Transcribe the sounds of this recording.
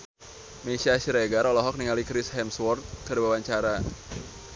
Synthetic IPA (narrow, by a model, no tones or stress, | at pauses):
mesiaʃiɾeɡaɾɔlɔɦɔk̚niŋalikɾisɦɛmswɔrt̪̚kaɾiwawaɲt͡ʃaɾa